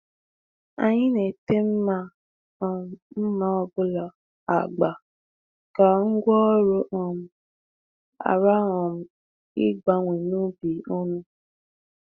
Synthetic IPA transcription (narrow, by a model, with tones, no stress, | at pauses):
a̰˨ɲɪ˦ne˨te˦m̩˦ma˦ | ɔ˨m̩˦m̩˦ma˦ɔ˨bʊ˦lɔ˨ | a̰˨ɡ͡ba˨ | ka˨ŋ̩˦ɡʷɔ˦ɾo˦ʔɔ˨m̩˦ | a̰˨ɾa˦ɦɔ˨m̩˨˦ | ɪ̰˦ɡ͡ba˨ŋʷe˨nu˦bi˨o˦nũ˦